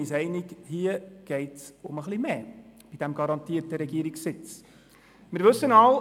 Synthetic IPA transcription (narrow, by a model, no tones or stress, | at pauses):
isɛɪnikhiəɡ̥ɛɪtsʊməχlimeːb̥id̥æmɡɑɾɑntiətəɾɛɡiəɾiksɪt͡s | mɪɾʋɵsːənɑl